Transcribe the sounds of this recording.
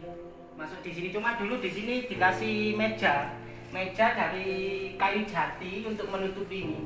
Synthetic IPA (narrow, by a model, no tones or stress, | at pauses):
masʊk̚d̪̥i̤sinit͡ʃomad̪̥ṳlud̥̪isinid̪̥i̤lasime̥ʒ̥a | me̥d͡ʒ̥adaɾikaju̥d͡ʒ̥a̤t̪iunt̪ʊk̚mənut̪upini